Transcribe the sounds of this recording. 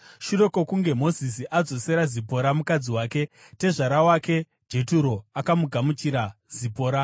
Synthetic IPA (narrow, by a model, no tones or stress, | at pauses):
ʃure̞ko̞kuŋɡe̞mo̞zisiʔad͡zo̞se̞ɾazipo̞ɾamukad͡ziwaːke̞ | te̞ʐaɾawaːke̞ | d͡ʒe̞tuɾo̞akamuɡʱamut͡ʃiɾaz̥ipo̞ːɾa